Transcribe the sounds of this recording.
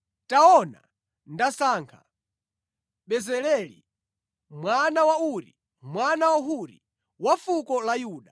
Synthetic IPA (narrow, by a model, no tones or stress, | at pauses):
taɔna̰ | ndasaːŋkʰa | ɓɛzɛlɛlḭ | mwanawauɾi | mwanawaɦuɾḭ | wafukɔlajuːɗa